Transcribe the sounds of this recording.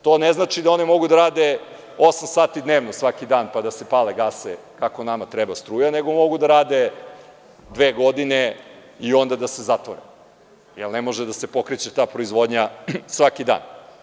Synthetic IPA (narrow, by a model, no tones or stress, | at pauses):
t̪o̞ːneznaːt͡ʃid̪ao̞nɛmo̞ɡud̪aɾaːd̪e | o̞samsaːt̪id̪neːʋnosʋakid̪aːnpad̪asepaleɡase | kako̞namat̪ɾɛbast̪ɾuːjane̞ɡo̞mo̞ɡud̪aɾaːd̪e̞ | d̪ʋeːɡo̞d̪ine | io̞nd̪ad̪ase̞zat̪ʋo̰ɾḛ | jelnemo̞ʒed̪asepo̞kɾet͡ɕet̪aːpɾo̞izʋo̞d̪ɲasʋakid̪a̰ːn